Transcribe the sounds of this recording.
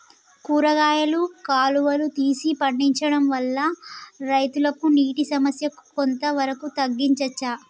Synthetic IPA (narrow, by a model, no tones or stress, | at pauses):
kuːɾɐɡaːjɐlukaːluʋɐlut̪iːsipɐɳɖiɲt͡ʃɐɽɐmʋɐlːɐɾɐjt̪ulɐkuniːʈisɐmɐsjɐku̥kont̪ɐʋɐɾɐkut̪ɐɡːiɲt͡ʃɐt͡ʃːa